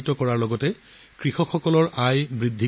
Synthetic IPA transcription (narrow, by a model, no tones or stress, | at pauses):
tɔkɔɹaɹlɔɡɔtɛ | kɹixɔxɔkɔlɔɹʔajbɹidʱːi